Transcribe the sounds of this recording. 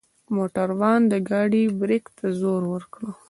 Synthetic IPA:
moʈaɾwɑnd̪əɡɑɖibɾɪkt̪azoɾwəɾkɽo

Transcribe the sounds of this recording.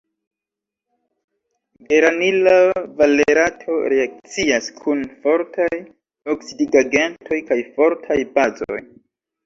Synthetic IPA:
ɡe̞ɾanilavaleɾatʰo̞ɾeak̚t͡siaskʰunfo̞ɾtʰaj | oksidiɡaɡe̞ntʰo̞jkajfo̞ɾtʰajbazo̰j

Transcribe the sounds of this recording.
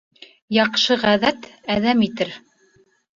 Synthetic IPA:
jɑqʃɤʁæðæt̪æðæmit̪ɘɾ

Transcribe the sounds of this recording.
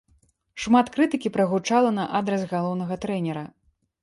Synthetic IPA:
ʂmat̪kɾɨt̪ɨkʲipɾɐɣut͡ʂalˠɐnɐʔad̪ɾɐsɣalˠɔwnɐɣɐt̪ɾɛnʲɛɾɐ

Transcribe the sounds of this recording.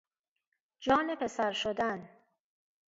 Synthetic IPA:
d͡ʒɒːnepʰe̞sæɾʃod̪æn

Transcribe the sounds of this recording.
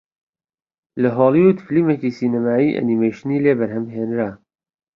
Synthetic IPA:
lɐɦoːlˠiud̪filimekiːsiːnɐmaːiːʔɐ̰nimejʃniːleːbɐɾhɐmɦeːnɾaː

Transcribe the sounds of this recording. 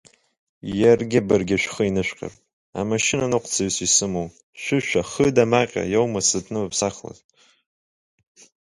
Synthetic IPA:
jarɡʲɪbarɡʲɪʃᶣʷχəinɨʃᶣqʲʼa̰r | a̰maʃɪnanɨqʷt͡sʰaɥsisɨmow | ʃʷᶣɨʃʷᶣaχədamaqʲʼa̰jowmasɨtʰnɨmapʰsaχla̰zʼ

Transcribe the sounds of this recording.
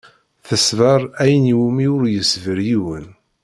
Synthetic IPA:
θəsvəɾˤæjəniwumiʊɾjəsvəɾjiwən

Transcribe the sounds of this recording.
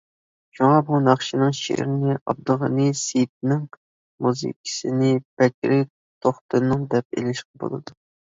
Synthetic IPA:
ʃuŋɑbunɑχʃinɨŋʃḛɾɪnɪʔɑ̰b̚d̪ʊʁɑnɨset̪̚nɪŋ | muzɨ̰kʲʰi̥sɪnɪbɛkʲɾɪ | t̪ʰoχt̪ʰɨnɨŋd̪ɛp̚ḛlɪʃqəbo̰lˠɨ̰d̪u

